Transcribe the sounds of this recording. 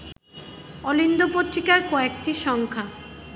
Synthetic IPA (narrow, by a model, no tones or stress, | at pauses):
ɔlind̪opot̪ɾikaɾkɔekʈiʃɔŋkʰa